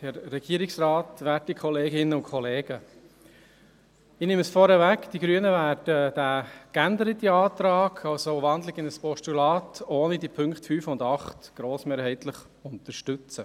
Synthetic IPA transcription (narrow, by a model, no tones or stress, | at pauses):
hɛɾːɛɡiəɾɪksɾɑːtʋæːt̚dikʰχɔleːɡɪnːəʊnkʰχɔleːɡ̥ə | inɪməsfɔɾəʋækd̥iɡɾyənəvæːɾd̥əd̥æːkændəɾət̪iɑːt̪ɾɑːɡʰɑsoʋɑnd̪lɪɡɪnəspɔʃtulɑːtʰoːnidipʰʏŋkχtfyːfʊndɑχtɡ̥ɾoːsmeːɾhɛɪtləχ | ʊnt̪əɾʃtʉt͡sə